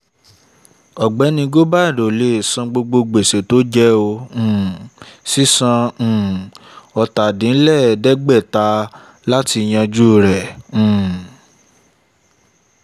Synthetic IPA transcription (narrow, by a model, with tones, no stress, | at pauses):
ɔ˨ɡ͡bɛ˨˦nĩ˧ɡo˦ba˦˨do˨le˨sã˧ɡ͡bo˧ɡ͡bo˧ɡ͡be˨se˨to˦d͡ʒɛ˦õ˧˨si˦sã˧˨ɔ˧ta˨dĩ˨˦lɛ˦˨dɛ˦ɡ͡bɛ˦˨ta˧ | la˦ti˧j̃ã˧d͡ʒu˦˨ɾɛ̃˨